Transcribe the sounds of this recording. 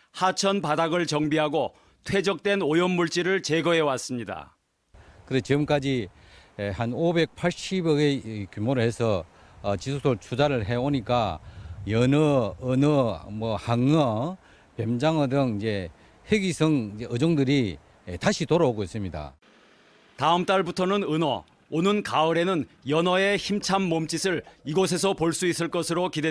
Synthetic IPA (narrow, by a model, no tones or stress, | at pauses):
hat͡ɕʰʌnpadaɡɯɭt͡ɕʌŋbiɦaɡo | tʰwe̞d͡ʑʌk̚t͈wenojʌnmuɭt͡ɕ͈iɾɯɭt͡ɕeɡʌɦe̞was͈ɯmɲida̰ | kɯɾet͡ɕiɡɯmk͈ad͡ʑi | hanobe̞k̚pʰaɭɕ͈ibjʌɡekjumoɾɯɭhe̞sʰʌː | t͡ɕisʰok̚sʰoɭt͡ɕʰud͡ʑaɾɯɭɦe̞oɲik͈ajʌnʌːnʌmʌhaŋʌ | pemd͡ʑaŋʌdɯŋid͡ʑe̞ | heɡisʰʌŋeɯd͡ʑoŋdɯɾi | etaɕʰitoɾaoɡois͈ɯmɲida̰ | taɯmt͈aɭbutʰʌnɯnɯnʌ̰ | onɯnkaɯɾe̞nɯn | jʌnʌe̞çimt͡ɕʰamːomt͡ɕ͈isʰɯɭiɡos̬ʰe̞s̬ʰʌpoɭs͈uis͈ɯɭk͈ʌsʰɯɾokide